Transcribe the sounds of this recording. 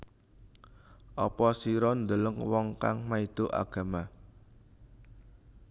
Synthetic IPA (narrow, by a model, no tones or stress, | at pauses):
ʔɔpɔsiɾɔnd̪ələŋwɔŋkaŋmaid̪̥o̤ʔa̰ɡ̥a̤ma